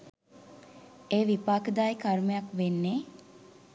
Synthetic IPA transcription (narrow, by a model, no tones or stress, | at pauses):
eːʋipaːkəd̪aːjkaɾməjakʋenːeː